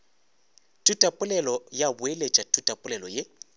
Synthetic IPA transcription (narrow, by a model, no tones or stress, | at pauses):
tʼutʼapʼʊlɛlɔjabʊelet͡ʃʼatʼutʼapʼʊlɛlɔje